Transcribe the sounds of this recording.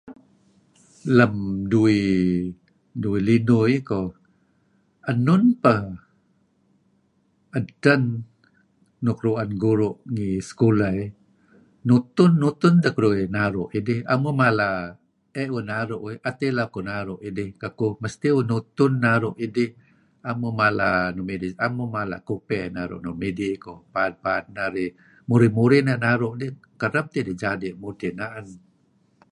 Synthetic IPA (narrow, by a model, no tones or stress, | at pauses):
ləmdui | duilinujko | ənʊnpəh | ədən | ukɾuanɡuɾuʔŋisə̥kulaj | nut̪ʊnːut̪ʊnd̪əkɾuinaɾuʔidɪha̰mumala | eʔwunaɾuʔwjʔat̪elakonaɾʊʔidɪkakuməst̪iunut̪ʊnːaɾuʔidih | amumala̰numidisamumala̰ʔkupɛʔnaɾṵʔnumidikopan̚paːt̪̚naɾi | muɾimuɾinanaɾʊʔdihkəɾap̚t̪idid͡ʒadiʔmudinaʔan